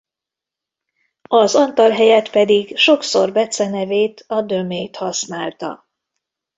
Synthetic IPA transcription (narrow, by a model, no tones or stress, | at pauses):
ɒzɒnt̪ɒlɦɛjɛt̪pɛd̪iɡʃo̞ksorbɛt̪sɛnɛveːt̪ʰɒd̪ø̞meːt̪hɒsnaːlt̪ɒ̰